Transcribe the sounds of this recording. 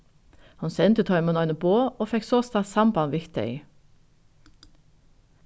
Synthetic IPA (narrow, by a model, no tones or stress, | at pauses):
hɑnsɛnt̪ət̪ʰɔʏmənɔʏnəboːoːfɛksoːst̪ɑsɑmpɑɑnʋɪkt̪œ̰ʏ